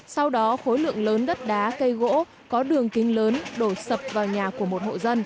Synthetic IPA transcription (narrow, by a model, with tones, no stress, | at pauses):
sa˧wɗɔ˨˦xo˨˦jlɨ̰˧˨əŋləː˨˦nɗə˦˥t̚ɗaː˨˦kə˧jɣo̰˧˥ | kɔ˨˦ɗɨ˨˩əŋkï˨˦ŋ̟ləː˨˦nɗo˧˩sə˨˩p̚vaː˨˩wɲaː˨˩ku˧˩əmo˨˩t̚ho̰˧˨zə˧n